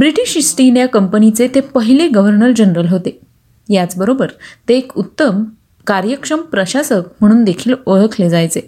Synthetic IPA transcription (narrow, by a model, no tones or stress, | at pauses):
bɾiʈiɕisʈinjakəmpənit͡set̪epəɦileɡəʋəɾnəɾd͡ʑənɾəlɦot̪e | jat͡sbəɾobəɾt̪eːkut̪ːəm | kaɾjəkʂəmpɾəɕasək̚m̤əɽ̃uːnd̪ekʰiːloɭəkʰled͡zajt͡se